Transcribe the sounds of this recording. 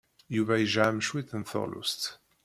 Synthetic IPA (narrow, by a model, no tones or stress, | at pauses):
juvæjəʒʕamʃwiθənθo̰lʔṵst̪